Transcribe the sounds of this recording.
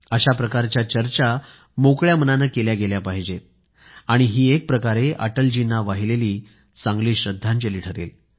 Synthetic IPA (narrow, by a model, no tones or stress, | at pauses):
əɕapɾəkaɾt͡ɕjat͡ɕəɾt͡ɕa | mokɭjamənanəkeljaɡeljapaɦid͡ʑet̪̚ | aɽ̃iɦiːek̚pɾəkaɾeʔə̰ʈəld͡ʑinaʋaɦileliː | sãŋɡliːɕɾəd̪ʱːãɲt͡ɕeliːʈʰəɾḛl